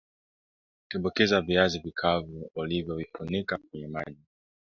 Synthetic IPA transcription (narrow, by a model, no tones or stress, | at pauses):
kɛɓɔkɛzaviazivikʰavuːlivjɔvipunikak̚wɛɲɛma̰ʄi